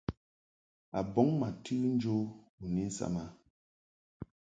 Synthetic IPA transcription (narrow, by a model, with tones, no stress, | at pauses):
a˨bɔ˨˦ŋma˨tʰʉ˦n̩˦d͡ʒo˦ | u˨ni˦n˦sa̰˦˨ma˦